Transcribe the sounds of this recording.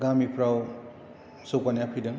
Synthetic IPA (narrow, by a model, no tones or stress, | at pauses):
ɡamipʰɾaw | sokanjapʰidɯŋ